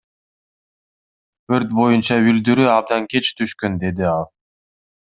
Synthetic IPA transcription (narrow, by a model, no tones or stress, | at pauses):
øɾt̪̚bo̞junt͡ʃɑyld̪yɾyɑb̚d̪ɑŋkʲe̞t͡ʃt̪ʰyʃkønd̪e̞d̪iɑlˠ